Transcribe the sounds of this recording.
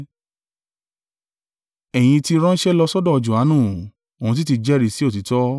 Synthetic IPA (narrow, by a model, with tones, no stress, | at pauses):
ɛ˨j̃ĩ˧ti˧ɾ̃ɔ̃˦n̩˦ʃɛ˦lɔ˧sɔ˦dɔ̃˦˧d͡ʒu˨a˨˦nũ˦˨ | o˨ũ˧t̬i˦ti˧d͡ʒɛ˦ɾi˦˨si˦o˦˨ti˨˦tɔ˦